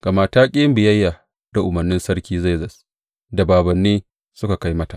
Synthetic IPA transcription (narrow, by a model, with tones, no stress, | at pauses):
ɡ̥a˨maː˨taː˦kʲʼɪ˦bɪ˨jɐ˦jːa˨ | d̥a˨ʔʊ˨mɐ˨rnɪ˦nsɐ˦ɽkʲiː˦za˦˨zɐ˨s | da˨baː˨bɐ˨nːeː˦ | sʊ˦ka˨ka˦jmɐ˦ta˨ʔ